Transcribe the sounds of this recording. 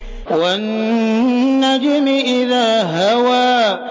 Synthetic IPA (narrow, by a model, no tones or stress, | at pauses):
wanː | ad͡ʒɪmɪʔɪðaːɦawaː